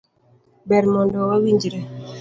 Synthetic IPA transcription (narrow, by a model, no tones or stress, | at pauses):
bɛɾmɔndɔwawiɲd͡ʒɾɛ